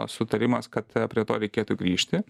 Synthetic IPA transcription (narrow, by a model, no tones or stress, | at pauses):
sʊt̪ɐɾʲɪmɐskɐt̪pʲɾʲiɛt̪oːɾʲɛɪkʲeːt̪uɡɾʲiːʃʲt̪ʲɪ